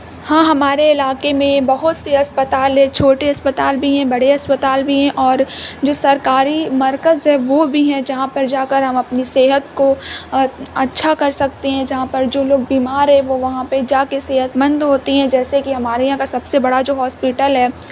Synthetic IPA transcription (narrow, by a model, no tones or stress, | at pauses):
hãːɦɐmaːɾeɪlaːkemẽbɐɦʊt̪seɦɐspət̪aːlɦɛ̃t͡ʃʰoːʈeɦɐspət̪aːlbʱiɦɛ̃bɐɽeɦɐspət̪aːlbʱiɦɛ̃ʔɔːɾd͡ʒoːsɐɾkaːɾimɐɾkəzɦɛ̃ʋobʱiɦɛ̃d͡ʒɐɦãpɐɾd͡ʒaːkəɾɦɐmɐpniseːɦət̪ko | ɐtːʃʰakɐɾsɐk̚t̪eɦɛ̃d͡ʒɐɦãpɐɾd͡ʒoːloːɡ̚biːmaːɾɦɛ̃ʋoʋɐɦãped͡ʒaːkeseːɦət̪mɐ̃nd̪ɦoːt̪iɦɛ̃d͡ʒɛːsekiɦɐmaːɾeãkasɐbsebɐɽad͡ʒoːɦɔːspɪʈəlɦɛː